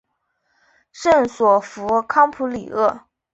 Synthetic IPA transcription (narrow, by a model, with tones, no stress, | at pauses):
ʂə˥˩nswɔ˨˩fu˧˥kʰɑ˥ŋpʰu˧˥li˨˩ɤ˥˩